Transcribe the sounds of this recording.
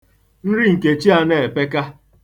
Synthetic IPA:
n̩˦ɾi˦ŋ̩˨ke˨t͡ʃi˦a˦ne˨e˨pe˦ka˦

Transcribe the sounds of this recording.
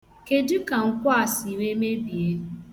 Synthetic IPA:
ke˦dʊ˦ka˨ŋ̩˨kʷa˦˨si˨we˦me˦bi˨e˦

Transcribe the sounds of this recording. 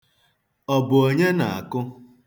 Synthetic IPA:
ɔ˨bʊ˨o˨ɲe˦na˨a̰˨kʊ˦

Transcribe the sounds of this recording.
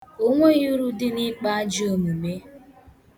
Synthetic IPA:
o˦ŋʷe˦ju˦ɾu˦dɪ˦nɪ˦k͡pa˦a˦d͡ʒo˨mu˨me˦

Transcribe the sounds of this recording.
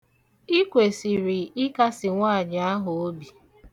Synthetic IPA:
i˦kʷe˨si˨ɾi˨ɪ˦ka˦sɪ˨ŋʷaː˦˨d͡ʒa˨˦a˦ɦʊ˨o˦bi˨

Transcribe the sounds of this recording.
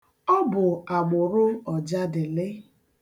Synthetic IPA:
ɔ˦bʊ˨a˨ɡ͡bʊ˨ɾʊ˦ɔ˨d͡ʒa˦dɪ˨lɪ˦

